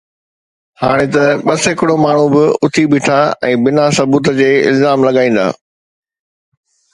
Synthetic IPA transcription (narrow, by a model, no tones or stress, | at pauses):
haːɽ̃et̪ɐɓɐsɦɪkɪɽomaːɳ̤ũbɪʊt̪ʰibɪːʈʰaɛ̃ːbɪnasɐbuːt̪̬əd͡ʑeːɪ̰lzaːmlɐɠaːĩːn̆d̪a̰ː